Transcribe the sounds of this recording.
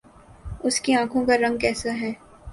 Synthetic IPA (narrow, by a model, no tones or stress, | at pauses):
ʊskiãːkʰõkaɾɐ̃ŋɡ̚kɛːsaɦɛː